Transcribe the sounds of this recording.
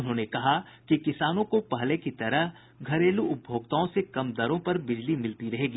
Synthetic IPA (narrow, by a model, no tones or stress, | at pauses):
ʊnɦõːnekɐɦakikɪsaːnõkopɐɦlekit̪ɐɾəɦ | ɡʱɐɾeːluʊp̚bʱoːɡt̪aːõsekɐmd̪ɐɾõpɐɾbɪd͡ʒlimɪlt̪iɾɐɦeːɡiː